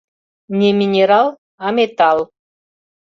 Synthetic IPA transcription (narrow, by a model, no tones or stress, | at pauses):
nʲemʲinʲeɾalˠ | amet̪alˠ